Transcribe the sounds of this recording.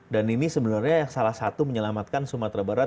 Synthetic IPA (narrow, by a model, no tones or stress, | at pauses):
daninisəbənarɲasalahsat̪uməɲəlamat̪̚kansumat̪ɾabaɾat̪̚